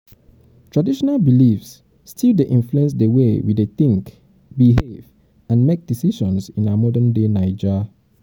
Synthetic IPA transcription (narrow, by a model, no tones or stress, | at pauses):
tɹadiʃɔnalbilifsː | tʰildeʔĩnfluɛ̃ns̬dəwewideθĩŋk | biɦev | ãnmek̚d̥isiʃɔ̃nsĩnaamɔdə̃ndenaɪd͡ʒə